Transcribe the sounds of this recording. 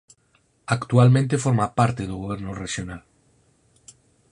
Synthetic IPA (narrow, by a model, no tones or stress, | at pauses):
akt̪ualmẽnt̪efoɾmapaɾt̪eðoɣ̞oβ̞eɾnoreʃjonal